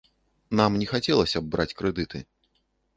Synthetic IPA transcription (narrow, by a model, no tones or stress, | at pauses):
namnʲɛxat͡sʲɛlˠɐsʲɐbːɾat͡sʲkɾɛd̪ɨt̪ɨ